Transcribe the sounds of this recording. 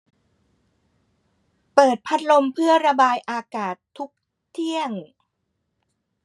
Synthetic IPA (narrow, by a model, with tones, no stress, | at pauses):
pɤː˨˩t̪̚pʰa˦˥t̪̚lo˧mpʰɯ˥˩əɾa˧baː˧jʔaː˧kaː˨˩t̪ʰːu˦˥k̚ | t̪ʰi˥˩əŋ